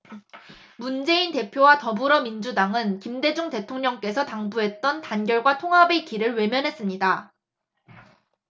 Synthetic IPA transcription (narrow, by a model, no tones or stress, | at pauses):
mund͡ʑe̞inte̞pʰjowatʌbuɾʌmind͡ʑudaŋɯnkimde̞d͡ʑuŋte̞tʰoŋɲʌŋk͈e̞sʰʌtaŋbuɦe̞t̚t͈ʌntanɡjʌɭɡwatʰoŋɦabe̞k͈iɾɯɭwe̞mjʌnɦe̞s͈ɯmɲida